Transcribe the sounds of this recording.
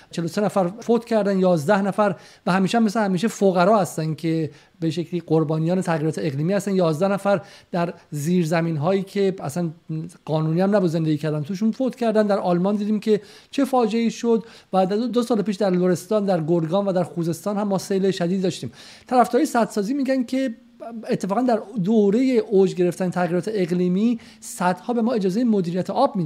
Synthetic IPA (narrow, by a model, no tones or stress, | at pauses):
t͡ʃʰe̞losenæfæɾfot̪cʰæɾd̪ænjɒːzd̪æhnæfæɾ | væhæmiːʃæhæmːeshæmiːʃ̬efoɣæɾɒːhæst̪ænd̪cʰe̞ | beʃecʰliːɢoɾbɒːnijɒːnet̪ʰæɣiɾɒːt̪eeɣliːmiːhæst̪ænjɒːzd̪æhnæfæɾd̪̥æɾziːɾzæmiːnɦɒːjiːcʰe̞æsænɢ̥ɒːnuːniːæmnæbuze̞nd̪eɡiːcʰæɾd̪ænt̪ʰuʃ̬unfot̪cʰæɾd̪ænd̪æɾʔɒːlmɒːnd̪iːd̪iːmcʰʲe̞ | t͡ʃʰe̞fɒːd͡ʒeiːʃod̪ | væd̪osɒːlepiːʃd̪æɾloɾe̞st̪ɒːnd̪æɾɡoɾɡɒːnvæd̪æɾxuːze̞st̪ɒːnhæmːɒːse̞jleʃæd̪iːd̪iːɒːʃt̪iːm | t̪ʰæɾæfd̪ɔɾjesæt̪sɒːziːmiːɡænkʰe̞ | et̪ʰːe̞fɒːɣænd̪æɾd̪oɾe̞jeʔod͡ʒɡe̞ɾe̞ft̪ænet̪ʰæɣiɾɒːt̪ʰeeɣliːmiː | sæd̪̥hɒːbe̞mɒːed͡ʒɒːzejemod̪iːɾijæt̪ʰeʔɒːb̚mi